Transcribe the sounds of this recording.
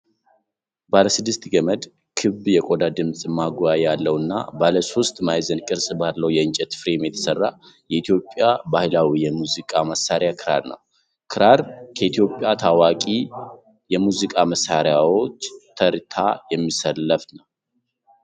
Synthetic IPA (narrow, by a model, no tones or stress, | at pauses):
baləsɨd̪ːɨst̪ɡəməd̪ | kʰɨbjɛkʼo̞d̪ad̪ɨmsʼɨmːaɡujajjalːəwɨnːa̰baləso̞st̪ʼmajzənkʼɨɾsʼbalːəwjɛɨnt͡ʃʼɛt̪fɾemjɛt̪ʰə̥sərːa | jɛit̪ʰijo̞pʼːjabahlawijɛmuzikʼaməsːaɾjakʰɨɾa̰ɾnə̰w | kʰɨɾaɾkʰəit̪ʰijo̞pʼjat̪ʰawakʼi | jɛmuzikʼaməsːaɾjawo̞t͡ʃːt̪ʰəɾt̪ʰa̰jɛmːisəlːəfnəw